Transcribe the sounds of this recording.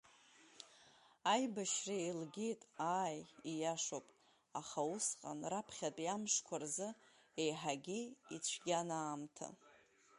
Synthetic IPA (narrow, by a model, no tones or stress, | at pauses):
ajbaʃrailɡʲejtʼaːjijaʂopʼ | aχaʊsqʼa̰nrapʰχʲatʼjamʂkʷʰarzɨ | ejħaɡʲiit͡ɕʷʰɡʲanaːmtʰa̰